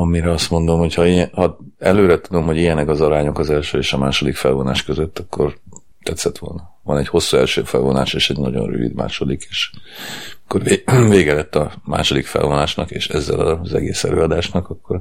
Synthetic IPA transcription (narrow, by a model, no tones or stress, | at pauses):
ɒmiɾɛɒst̪mo̞nd̪o̞mho̞chɒiɛhɒɛløːɾɛt̪ud̪o̞mho̞ɟijɛnɛkɒzɒɾaːɲo̞kɒzɛlʃøːeːʃɒmaːʃo̞d̪ikfɛlvo̞na̰ːʃkøzøt̪ːɒkːo̞r | t̪ɛt̪sɛt̪ʋo̞̰lnɒ | vɒnɛɟho̞sːuɛlʃøːfɛlvo̞na̰ːʃeːʃɛɟnɒɟo̞̰nry̰vḭd̪ma̰ːʃo̞d̪ike̥ːʃ | kːoreveːɡɛlɛt̪ːɒma̰ːʃo̞d̪ikfɛ̰lvo̞naːʃnɒkeːʃɛzːɛ̰lɒ̰zɛ̰ɡeːsɛ̰løːɒd̪aːʃnɒkɒkːo̞r